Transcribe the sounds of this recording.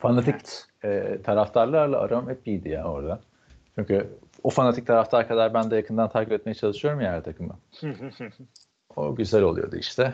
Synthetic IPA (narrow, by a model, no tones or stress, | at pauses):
fanat̪ʰic | ɛt̪ʰaɾaft̪ʰaɾlˠaɾlˠaa̰ɾamamɛp̚ijd̪ija̰ːno̞ɾd̪a | t͡ʃʰyɲcʰy | ofanat̪ʰic̚t̪ʰaɾaft̪ʰaɾkʰad̪aɾbænd̪ɛjakʰɯnd̪ant̪ʰaɾcibɛt̪̚me̞jɛt͡ʃʰalˠɯʃɯjo̞ɾumjaæɾt̪ʰakʰɯmɯ̰ | o̰ɟyzælʲo̞lˠujod̪ṵḭʃt̪ʰɛ